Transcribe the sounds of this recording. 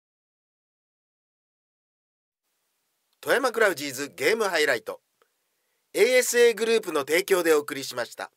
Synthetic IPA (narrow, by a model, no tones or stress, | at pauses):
t̪o̞jamakɯ̟ɾaɯ̟ʑiːzɨɡe̞ːmɯ̟ɦaiɾait̪o̞̰ | e̞ːesɨe̞ːɡɯ̟ɾɯ̟ːp̬ɯ̟no̞t̪e̞ːkʲo̞ːd̪e̞o̞ːkɯ̟ɾʲiɕimaɕi̥t̪a̰